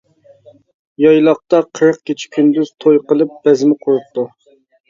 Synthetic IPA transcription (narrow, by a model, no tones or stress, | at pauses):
jɑjlˠɑq̚t̪ɑqʰəɾəq̚kʲit͡ʃʰɪ̥kʲʰynd̪yz̥t̪ʰojqəlˠɨp̚b̥ɛzmɪqʰoɾup̚t̪u